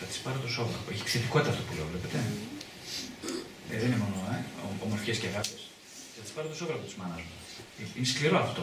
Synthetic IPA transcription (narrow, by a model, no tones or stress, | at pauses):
θɐt̪i̥spɐɾot̪oso̞vɾɐpoeçi̥set̪iko̞t̪it̪ɐft̪o̞puleovlepe̞t̪e̞ | eðeninemo̞noeomoɾfçesceɣɐfes | θɐt̪i̥spɐɾet̪oso̞ɣɾɐpot̪i̥zmɐnɐzmu | iineskliɾoɐfot̪o